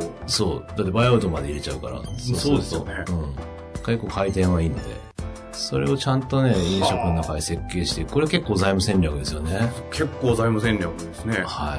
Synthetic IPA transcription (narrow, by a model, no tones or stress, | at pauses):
so̞ːd̪at̪ːe̞bajaɯ̟t̪o̞mad̪e̞iɾe̞t͡ɕaɯ̟kaɾa̰sosooesoɯ̟̃ː | ke̞kːo̞ːkait̪ẽ̞ɰ̃βaiːnod̪e̞̰ | so̞̰ɾe̞̰o̞t͡ɕãnt̪o̞ne̞ĩɰ̃ɕo̞kɯnonakaɲise̞kːe̞ːɕi̥t̪eɯ̟koɾeake̞kːoːzaimɯ̟sẽ̞ɲʲakɯ̟d̪e̞sɨjo̞ne̞kʰe̞kːoːzaimɯ̟sẽ̞nɾʲakɯ̟d̪esɨnehaḭ